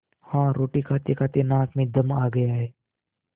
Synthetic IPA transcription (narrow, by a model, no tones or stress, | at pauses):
hãːɾoːʈikʰaːt̪ekʰaːt̪enãːkmẽd̪ɐmaːɡɐjaɦɛː